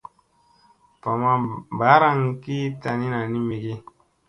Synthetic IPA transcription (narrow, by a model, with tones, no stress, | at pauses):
pa˨ma˨ba˨˦ɾa˦ŋ˦ki˦ta˨ni˦na˨ni˦me˨ɡe˦